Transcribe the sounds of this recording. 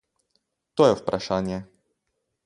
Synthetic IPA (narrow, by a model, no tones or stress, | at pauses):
t̪ɔjɛfpɾʔaʂaɲɛ